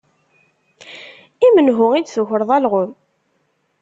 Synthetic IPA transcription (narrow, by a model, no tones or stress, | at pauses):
imənɦʊŋid̪θʊçəɾðˤælʁʊm